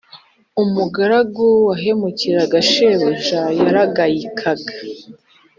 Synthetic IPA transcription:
umuɡaɾaɡowaɦe̞muciɾaɡaʃeβoʒajaɾaɡajikʰaɡḁ

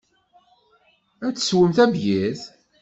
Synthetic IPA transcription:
æt͡sːə̥swəmθæbjið

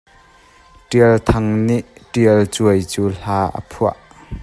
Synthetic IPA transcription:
ʈiəlt̪ʰɐŋniʔʈiəlt͡suəjt͡suːl̥aːʔə̰pʰuəʔ

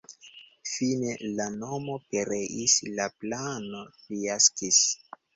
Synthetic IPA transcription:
fine̞lano̞mo̞pe̞ɾe̞ʔislaplanoliaskis

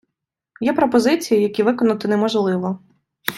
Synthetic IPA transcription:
jɛpɾɔpɔzɪt͡sʲijijɐkʲiʋɪkɔnɐt̪ɪnɛmɔʒlˠɪʋɔ

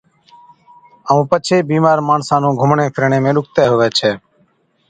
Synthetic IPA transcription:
əʋũːpət͡ʃʰeːbiːmaːɾmaːɳsãːnũːɡʱʊmɳẽːpʰɪɾɳẽːmẽːɗʊk̚ʰt̪eːɦoʋeːt͡ʃʰɛː

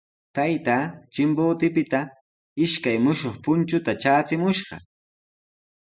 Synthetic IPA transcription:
t̪ajt̪aːt͡ʃɪmboːt̪ɪpɪt̪a | ɪʃkajmʊʃoχpʊnt͡ʃʊt̪at͡ʃaːt͡sɪmʊʃɢɑ̰

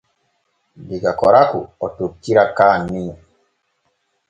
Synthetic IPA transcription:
biɡakɔɾakṵɔtokːiɾakaːnːĩ

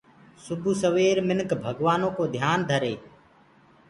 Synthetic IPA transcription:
sʊbʱuːsəʋeːɾmɪnkbʱəɠʋaːnõːkoːd̪ʱjaːnd̪ʱəɾeː

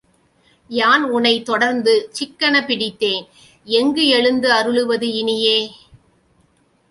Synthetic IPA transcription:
jaːnʊnɐɪt̪ɔɽɐɾnd̪ɯt͡ʃɪkːɐɳɐpɪɽɪt̪ːeːn | ɛŋɡɯɛɻɯnd̪ɯɐɾɯɭɯʋɐðɯɪnɪjeː

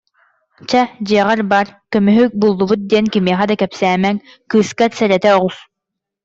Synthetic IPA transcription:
t͡ɕad͡ʑiɛʁaɾbaːɾkœmyɦyk̚bulˠːubut̪̚d̪iɛnkimiɛχɛd̪akɛpsæːmɛŋ | kɯːskaɾsɛɾɛt̪ɛɔʁus

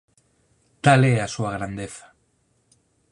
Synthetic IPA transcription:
t̪aleasuaɣ̞ɾand̪eθḁ

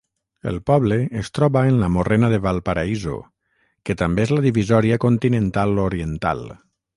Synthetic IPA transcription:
ə̰lˠpɔβləːst̪ɾɔβaenlamorenaðeβalˠpaɾaizo̰ | kət̪ambeezlaðiβizɔɾiakont̪inə̃nt̪aloɾiənt̪a̰lˠ

